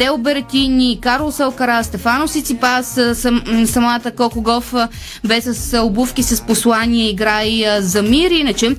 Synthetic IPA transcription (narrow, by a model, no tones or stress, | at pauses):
t̪ɛʊbɛɾt̪ʲinʲikaɾlˠsɐlˠkɐɾast̪ɛfanosit̪sipasssɐmat̪əkɔkoɡɔfə | bɛsɐsobufkʲisɐsposlˠanʲiɛiɡɾajzɐmiɾinət͡ʃɛ